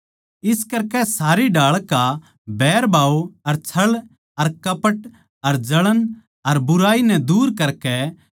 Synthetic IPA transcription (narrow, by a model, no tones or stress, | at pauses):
ɪskɐɾkɛsaːɾiɖaːɭkːa | bɛːɾbaːoɐɾt͡ʃʰɐɭ | ɐɾkɐpəʈ | ɐɾd͡ʒɐɭən | ɐɾbʊɾaːinɛd̪uːɾkɐɾkɛ